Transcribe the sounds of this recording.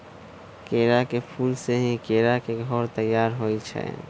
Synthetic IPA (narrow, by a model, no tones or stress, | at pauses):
keːɾakepʰuːlseɦĩkeːɾakeɡʱɔːɾt̪əjːaːɾɦoit͡ʃʰɛ̰